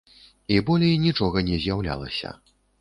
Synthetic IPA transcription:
ibɔlʲɛjnʲit͡ʂɔɣɐnʲɛzʲjawlʲa̰lˠɐ̰sʲɐ̰

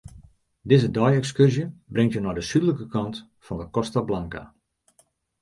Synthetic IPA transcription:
dɪzədɔjɛkskørzjəbrɪŋtjənɔjdəsydələkəkɑnt | fɔndəkɔstablaŋka̰

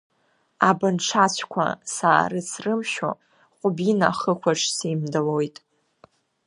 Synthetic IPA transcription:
abɨnʈ͡ʂʰat͡ɕʷʰkʷʰa̰saːrɨsʰrɨmʃo̰ | qʷʼʊbina̰χəkʷʰaʂsimdalojtʼ

